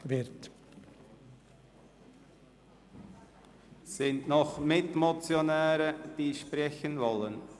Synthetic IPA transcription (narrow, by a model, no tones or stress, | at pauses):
vɪɾt | sɪntnɔχmɪtmot͡sjonɛːɾəd̥iːʃpʁɛçənvɔlən